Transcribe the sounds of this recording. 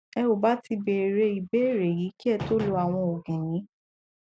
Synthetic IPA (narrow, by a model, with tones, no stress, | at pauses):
ɛ˧o˨ba˨˦ti˧be˨ɾe˧i˨be˦˨ɾe˨ji˨˦ki˦ɛ˦˧to˦lo˧a˨w̃ɔ̃˧o˨ɡɛ̃˨j̃ĩ˨˦